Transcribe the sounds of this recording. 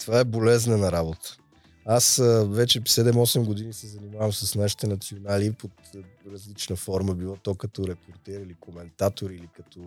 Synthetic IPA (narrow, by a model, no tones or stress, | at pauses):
t̪ovaɛbolɛznənɐɾabot̪ə̥ | asvɛt͡ʃɛsɛd̪ɛmɔsɛmɡod̪inisɛzɐnimavəmsəsnaʃi̥t̪ɛnɐt̪sionalipot̪ɾɐzlit͡ʃnəfɔɾməbilˠɔt̪ɔkɐt̪ɔɾɛpʰoɾt̪ɛɾilikomɛnt̪at̪oɾiːlikɐt̪ɔ